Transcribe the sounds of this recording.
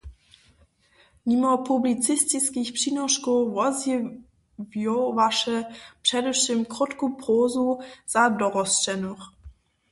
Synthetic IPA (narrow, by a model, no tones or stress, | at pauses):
mimɔpʰublit̪t͡s̪ɪst̪iskʲixpʂinɔʂkɔvɔzjɛ | vjɔwvaʂɛpʂɛdɛʂɪmkɾɔt̪kupɾoːzuz̥adɔʁɔst͡ʃɛnux